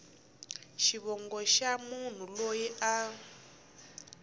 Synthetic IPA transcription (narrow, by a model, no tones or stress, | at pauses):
ʃiβɔŋɡɔʃamun̤ulojiʔa